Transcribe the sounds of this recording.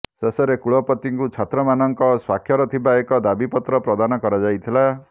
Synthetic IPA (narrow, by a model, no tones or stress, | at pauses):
sesɔɾekuɭɔpɔt̪iŋkut͡ʃʰat̪ɾɔmanɔŋkɔswakʰjɔɾɔt̪ʰibaekɔd̪abipɔt̪ɾɔpɾɔd̪anɔkɔɾad͡ʒajt̪ʰila